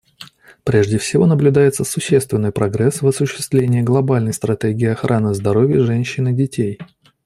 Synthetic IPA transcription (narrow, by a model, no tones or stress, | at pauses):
pɾʲeʐdʲɪfsʲɪvo̞nəblʲʊd̪ajɪt̪səsʊɕːe̞st̪vʲɪnːɨjpɾɐɡɾɛsvɐsʊɕːɪ̥st̪vlʲenʲɪːɡlˠɐbalʲnəjst̪ɾɐt̪ʲeɡʲɪːɐxɾʔanɨzd̪ɐɾo̞vʲjəʐɛnʲɕːɪnɨdʲɪtʲʰej